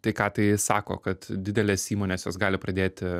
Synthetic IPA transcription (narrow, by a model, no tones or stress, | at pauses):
t̪ɐɪkɑːt̪ɐɪsɑːko̰ːkɐt̪dʲɪd̪ʲɛlʲeːsiːmoːnʲeːsjoːsɡɑːlʲɪpɾɐd̪ʲeːt̪ʲ